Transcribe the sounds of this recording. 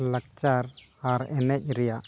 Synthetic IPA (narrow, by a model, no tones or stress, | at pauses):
lək̚t͡ʃaɾ | aɾɛnɛc̚ˀɾɛjaʔ